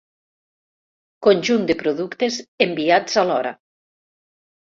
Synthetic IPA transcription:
konʲʒund̪epɾoðukt̪ezembiad͡zalɔɾa̰

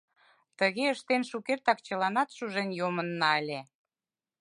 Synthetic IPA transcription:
t̪əɣeəʃt̪enʃukert̪ɑkt͡ɕəlɑnɑt̪ʃuʒenjomənːɑəlʲe

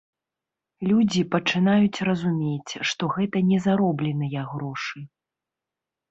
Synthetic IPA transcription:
lʲud͡zʲipɐt͡ʂɨnajut͡sʲrɐzumʲet͡sʲʂt̪ɔɣɛt̪ɐnʲɛzaɾɔblʲɛnɨjɐɣɾɔʂɨ

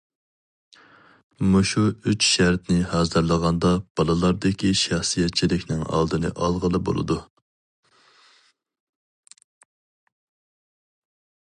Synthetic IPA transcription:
muʃuyt͡ʃʃæɾt̪nɪhɑːzɨɾlˠəʁɑnd̪ɑb̥ɑlˠɨlˠɑɾd̪ɪkʲʰiʃɑχsɨjɛt̪̚t͡ʃʰilɪkʲnɪŋɑ̰lˠd̪ɨnɨ̰ʔɑlˠʁəlˠɨbo̰lˠɨ̰d̪u

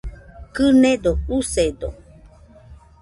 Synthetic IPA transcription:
kɨned̪oused̪o

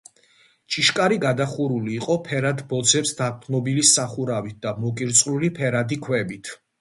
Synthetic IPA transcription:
t͡ʃʼʰiʃkʼaɾiɡad̪aχuɾuliːqʼɔpʰɛɾad̪bɔd̪zɛpsd̪ak̚t̪ʰnɔbilisaχuɾavit̪̚ʰd̪̥amɔkʼiɾt̪sʼlulipʰɛɾad̪ikʰwɛbit̪ʰ

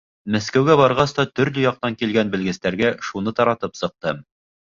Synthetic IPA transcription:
mæskæwɡæbɑɾʁɑst̪ɑt̪ɵ̆ɾlɵjɑq̚t̪ɑŋkilɡænbɘ̆lɡɘ̆st̪æɾɡæʃunɤt̪ɑɾɑt̪ɤpsɤ̆q̚t̪ɤm

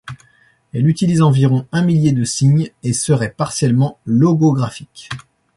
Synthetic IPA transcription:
ɛlyt̪ilizɑ̃viʁɔ̃ɛ̃miljed̪əsiɲesəʁɛpaʁsjɛlmɑ̃lɔɡoɡʁafik

